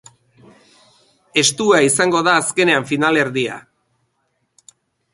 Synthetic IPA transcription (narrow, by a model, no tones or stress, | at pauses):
e̞st̪uaisaŋɡo̞ðaːske̞ne̞aɱfinale̞ɾðia̰